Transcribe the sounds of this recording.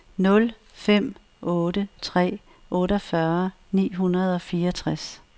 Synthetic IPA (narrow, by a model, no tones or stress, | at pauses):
nɔ̽l | fem̰ | ʔɔ̽ːɾət͡sʰʁɛ̰ː | ʔɔ̽ːɾəɒfɶɐ | nḭːɦunɐð̞ˠɒ̽fiːɐɒt͡sʰʁas